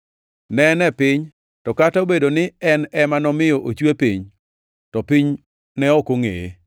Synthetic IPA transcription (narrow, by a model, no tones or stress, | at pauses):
nɛnɛpɪɲ | tɔkataobedonɪɛnɛmanɔmɪjɔʔot͡ʃwepiɲ | tɔpiɲ | nɛɔkoŋḛe